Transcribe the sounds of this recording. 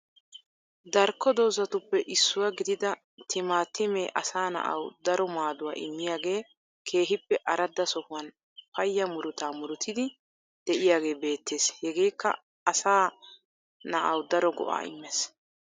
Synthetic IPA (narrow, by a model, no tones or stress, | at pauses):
d̪ɐɾkːɔd̪oːzɐt̪ʊpːɛʔɪsːʊwaɡɪd̪ɪd̪ɐ | t̪ɪmaːt̪ːɪmeːʔɐsaːnɐ̰ʔɐ̰wd̪ɐɾɔmaːd̪ʊwaːʔɪmːɪjaːɡe̞ː | kʰe̞ːɦɪpːɛʔɐɾɐd̪ːɐsɔhʊwɐn | pɐjːɐmʊɾʊt̪aːmʊɾʊt̪ɪd̪ɪ | d̪̥ɛʔɪjaːɡe̞ːbe̞ːt̪ːe̞ːshɛɡe̞ːkːɐ̰ | ɐsaː | nɐʔɐwd̪ɐɾɔɡɔ̰ʔa̰ːɪ̰mːes